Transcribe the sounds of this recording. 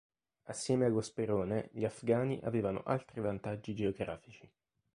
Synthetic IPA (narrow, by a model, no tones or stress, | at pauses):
asːjɛːmeaɡospeɾoːneʎafɡaːniʔa̰veːvano̰ʔa̰lt̪ɾivant̪ad͡ʒːid͡ʒeoɡɾaːfit͡ʃi